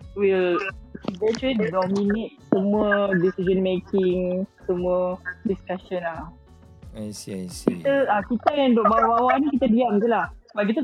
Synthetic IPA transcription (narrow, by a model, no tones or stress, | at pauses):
wilidɛt͡ʃiddɔminet̪̚səmũədisizənmekɪŋsəmũədiskaʃɔna | asiaskit̪əakit̪əjaŋdɔʔbawabawaʔnĩkit̪adiamt̪ulahbaʔk̬it̪u